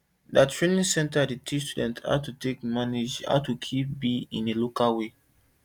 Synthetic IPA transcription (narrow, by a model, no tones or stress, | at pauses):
datʰɹenĩŋsɛ̃ntaditʰistudɛ̃ntʰa̰tutekmanid͡ʒha̰tukʰip̚biĩnelokalwe